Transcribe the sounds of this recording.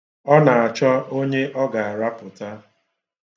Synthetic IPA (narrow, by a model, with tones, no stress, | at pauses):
ɔ˦na˨a˨t͡ʃɔ˦o˦ɲe˦ʔɔ˦ɡa˨a˨ɾa˦pʊ˨ta˦